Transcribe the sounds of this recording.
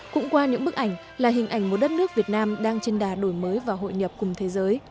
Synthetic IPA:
kʊ̰˧˥ŋ͡mkwaː˧ɲɨ̰˧˥ŋɓɨ˦˥k̚ʔa˧˩jŋ̟ | laː˨˩ɦï˨˩ŋ̟ʔa˨˧˩jŋ̟mo˨˩t̚ɗə˦˥t̚nɨ˦˥ək̚vi˨˩ət̚naː˧mɗaː˧ŋt͡ɕe˧nɗaː˨˩ɗo˧˩jməː˨˦jvaː˨˩ɦo̰˧˨jɲə˨˩p̚kʊ˨˩ŋ͡mt̪ʰe˨˦zəː˨˦j

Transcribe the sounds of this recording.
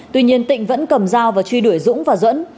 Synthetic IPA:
t̪wi˧ɲi˧ənt̪ḭ̈˧˨ŋ̟və̰˧˥nkə˨˩mzaː˧wvaː˨˩t͡ɕwi˧ɗu˧˩əjzʊ̰˧˥ŋ͡mvaː˨˩zwə̰˧˥n

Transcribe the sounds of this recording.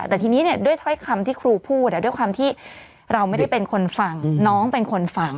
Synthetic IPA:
t̪ɛː˨˩t̪ʰiː˧niː˦˥ni˥˩ɐdu˥˩əjt̪ʰɔ˦˥jkʰa˧mt̪ʰiː˥˩kʰɾuː˧pʰuː˥˩t̪̚ːaː˨˩du˥˩jkwaː˧mt̪ʰiː˥˩ | ɾa˧wma˥˩jda˥˩jpe˧nkʰo˧nfa˧ŋnɔː˦˥ŋpe˧nkʰo˧nfa˧˩ŋ

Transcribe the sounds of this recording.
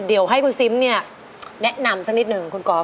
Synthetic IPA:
di˨˩˦əwɦa˥˩jkʰu˧nsi˦˥mni˥˩ɐ | nɛ˦˥ʔna˧msa˦˥k̚ni˦˥t̪̚nɯ˨˩ŋkʰu˧nkɔː˨˦

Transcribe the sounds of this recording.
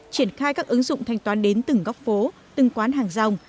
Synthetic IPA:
t͡ɕi˧˩ənxaː˧jkaː˦˥k̚ʔɨ˨˦ŋzʊ̰˧˨ŋ͡mt̪ʰɛ˧jŋ̟t̪waː˨˦nɗe˨˦nt̪ɨ˨˧˩ŋɣɔ˦˥k͡pp̚fo˨˦ | t̪ɨ˨˩ŋkwaː˨˦nɦaː˨˩ŋza˧wŋ͡m

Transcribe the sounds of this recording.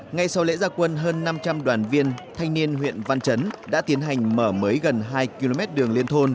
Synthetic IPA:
ŋa˧jsa˧wlḛ˧˥zaː˧kwə˧nɦəː˧nːa˧mt͡ɕa˧mɗwaː˨˩nvi˧ənt̪ʰa˧jŋ̟ni˧ənɦwḭ˧˨ənva˧nt͡ɕə˨˦nɗa̰ː˧˥t̪i˨˦ənɦa˨˩jŋ̟məː˧˩məː˨˦jɣə˨˩nɦaː˧jki˧lo˧mɛ˦˥t̚ɗɨ˨˩əŋli˧ənt̪ʰo˧n

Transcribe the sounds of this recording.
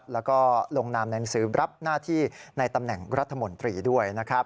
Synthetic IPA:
p̚lɛː˦˥wkɔː˥˩lo˧ŋnaː˧mna˧jna˦˥ŋsɯː˩˦ɾa˦˥p̚naː˥˩t̪ʰiː˥˩na˧jt̪a˧mnɛ˨˩ŋɾa˦˥t̪ʰːa˧mo˧˦nt̪ɾiː˧du˥˩əjna˦˥kʰɾa˦˥p̚

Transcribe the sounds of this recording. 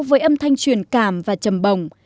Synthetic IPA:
wvəː˨˦jʔə˧mt̪ʰa˧jŋ̟t͡ɕwi˨˩ənkaː˧˩mvaː˨˩t͡ɕə˨˩mɓə˨˩wŋ͡m

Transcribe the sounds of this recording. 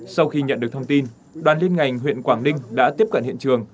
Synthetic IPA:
sa˧wxi˧ɲə̰˧˨nɗɨ˨˩ək̚t̪ʰŋ͡mt̪i˧n | ɗwaː˨˩nli˧ənŋa˨˩jŋ̟ɦwḭ˧˨ənkwaː˧˩ŋlï˧ŋ̟ɗa̰ː˧˥t̪i˦˥əp̚kə̰˧˨nhḭ˧˨ənt͡ɕɨ˨˩əŋ

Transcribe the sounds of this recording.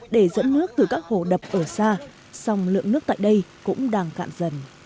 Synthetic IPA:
ɗe˧˩zə̰˧˥nːɨ˦˥ək̚t̪ɨ˨˩kaː˦˥k̚ho˧˩ɗə˨˩p̚ʔəː˧˩saː˧ | sɔ˧wŋ͡mlɨ̰˧˨əŋnɨ˦˥ək̚t̪a̰ː˧˨jɗə˧jkʊ̰˧˥ŋ͡mɗaː˧ŋka̰ː˧˨nzə˨˧˩n

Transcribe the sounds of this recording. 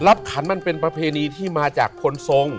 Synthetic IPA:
la˦˥p̚kʰa˩˦nma˧˨npe˧npɾa˧pʰeː˧niː˧t̪ʰiː˥˩maː˧t͡ɕa̰ː˨˩kʰːo˧nso˧ŋ

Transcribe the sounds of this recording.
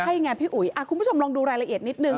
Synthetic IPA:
a˥˩jŋaː˧npʰiː˥˩ʔu˨˩˦jʔʔa˧˩kʰu˧bu˦˥˩t͡ɕo˧mlɔː˧ŋduː˧ɾaː˧jla˧ʔi˨˩ə˩t̪ni˦˥t̪̚nɯ˧ŋ

